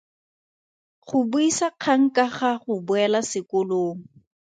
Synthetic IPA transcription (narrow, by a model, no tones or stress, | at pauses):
χʊbuisaq͡χʰaŋ̩kaχaχʊbʊɛlasɪkʊloːŋ̩